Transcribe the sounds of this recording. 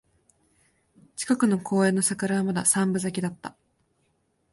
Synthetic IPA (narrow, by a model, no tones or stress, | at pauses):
t͡ɕi̥kakɯ̟no̞kʰo̞ːẽ̞nːo̞sakɯɾaβamad̪asãmbɯ̟zakʲid̪at̪ːa